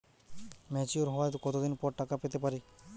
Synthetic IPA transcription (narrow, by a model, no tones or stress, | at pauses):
mɛt͡ʃuɾɦɔat̪okɔt̪od̪inpɔɾʈakapet̪epaɾi